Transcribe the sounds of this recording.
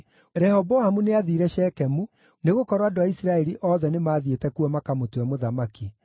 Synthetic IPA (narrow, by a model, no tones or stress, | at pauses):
ɾɛhɔbɔhamuneaðiːɾɛʃɛːkɛmu | neɣokɔɾwadoaisɾaɛɾiʔɔːðɛnemaːðietɛkuɔmakamotwɛmoðamaki